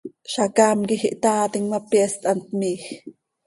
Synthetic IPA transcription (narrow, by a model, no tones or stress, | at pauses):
ʃakaːmkixiʔt̪aːt̪iŋmapjɛst̪ʔant̪̚miːx